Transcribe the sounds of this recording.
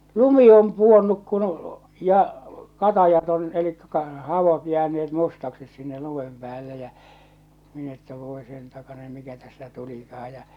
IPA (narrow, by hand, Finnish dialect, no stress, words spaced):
lumi om puonːuk kun jɑ kɑtɑjɑt on elikːæ kɑr hɑʋot jæːneet mustɑksis sinːe lumem pĕæːlːe jæ min etːæ ʋoˑe sen tɑkɑnen mikæ tæstæ tulikɑh̞ɑj jɑ